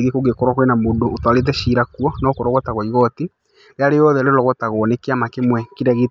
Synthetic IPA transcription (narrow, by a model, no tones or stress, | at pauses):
ɣekoɡekɔɾwakwenamondoːtwalet̬ɛʃiɾakwɔnɔkoɾɔɣɔtaɣɔiɣɔti | ɾeaɾeɔðɛɾeɾɔɣɔtaɣɔnekeamakemwɛkiɾaɣe